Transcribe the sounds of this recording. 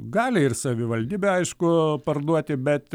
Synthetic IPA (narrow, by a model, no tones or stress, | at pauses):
ɡɑːlʲɪɪrsɐʋʲɪʋɐlʲd̪ʲiːbʲɛɐɪʃkʊpɐrd̪uɔt̪ʲɪbʲɛt̪